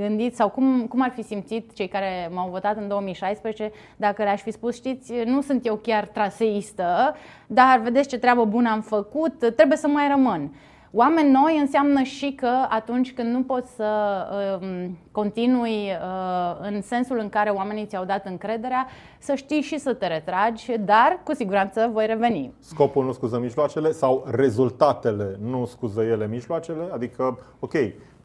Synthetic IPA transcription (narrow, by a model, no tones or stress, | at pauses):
ɡɨnd̪it̪ssawkumkumarfisimt̪sit̪t͡ʃe̞jkaɾe̞mawvo̞t̪at̪ɨnd̪oəmijʃajspɾezet͡ʃe̞ | d̪akəlaʃʲfispusʃt̪it̪sʲnusunt̪je̞wkʲart̪ɾase̞ist̪ə | d̪arve̞d̪esʲt͡ʃe̞t̪ɾeabəbunəamfəkut̪ːɾebuje̞səmajrəmɨn | wame̞nʲːo̞jɨnsamnəʃikəat̪unt͡ʃʲkɨnd̪nupo̞t̪sʲsə | ko̞nt̪inujəɨnse̞nsulɨŋkaɾe̞oame̞nit̪sʲawd̪at̪ɨŋkɾe̞d̪e̞ɾea | səʃt̪ijʃisət̪e̞ɾe̞t̪ɾad͡ʒʲd̪arkusiɡuɾant̪səvo̞jre̞ve̞nḭsko̞pulnuskuzəmiʒloat͡ʃe̞le̞sawre̞zult̪at̪e̞le̞nuskuzəje̞lemiʒloat͡ʃe̞le̞ad̪ikə | o̞kʲe̞j